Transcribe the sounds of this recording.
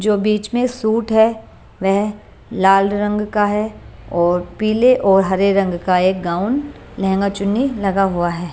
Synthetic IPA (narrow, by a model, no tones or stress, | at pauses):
d͡ʒoːbiːt͡ʃmẽsuːʈɦɛː | ʋɛɦ | laːlɾɐ̃ŋɡkaɦɛːɔːɾpiːleʔɔːɾɦɐɾeɾɐ̃ŋɡkaeːk̚ɡaːʊn | lɛɦɛ̃ŋɡat͡ʃʊnːilɐɡaɦʊaɦɛː